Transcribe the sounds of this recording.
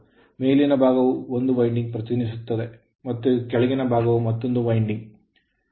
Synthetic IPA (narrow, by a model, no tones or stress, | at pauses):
meːlinɐbaːɣɐʋɯɔnd̪ɯʋɐɪɳɖɪŋpɾɐt̪ːɪnɪsɯt̪ːɐðe | mɐt̪ːɯkɛɭɪɣɐnɐbaːɣɐʋɯmɐt̪ːɯnd̪ɯʋɐɪɳɖɪŋ